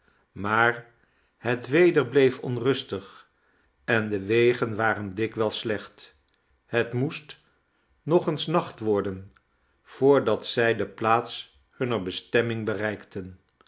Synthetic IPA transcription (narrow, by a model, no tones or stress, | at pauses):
maːɹ | hətʋejdəɹblejfɔ̰nrɵstəχ | ɛndəʋejχənʋaːrəndɪkʋɛlˠslɛχt | hətmust | nɔχənsnɑχtʋɔɹdən | v̥ʊːɹdɑtsɛjdəplaːts | hɵnəɹbəstɛmɪŋbərɛjktən